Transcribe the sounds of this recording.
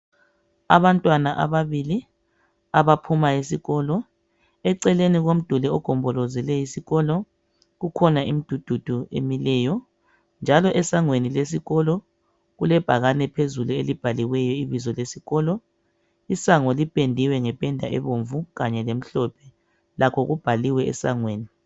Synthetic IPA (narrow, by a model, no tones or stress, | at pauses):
aβantʼwanaʔa̰βaβili | aβapʰumaisiɣɔːlɔ | ɛǀɛleniɣom̩d̥ʱulɛɔɡ̥ʱɔmbʱɔlɔzɛlɛjisiɣɔlɔ | ɣukʰɔnaʔimid̥ʱud̥ʱud̥ʱuḛmilɛjɔ | nd͡ʒʱalɔʔɛsaŋweniles̬iɣɔlɔ | ɣulɛb̥ʱaɣanɛpʰezuluelib̥ʱaliwɛjɔiβizɔlesiɣɔːlɔ | isaŋɔlipʼendʱiwɛŋɛpʼɛndʱaʔɛβoɱvuɣaɲɛlem̩ɬɔpʰɛ | lakʰɔɣub̥ʱaliwɛɛ̰sa̰ŋweːni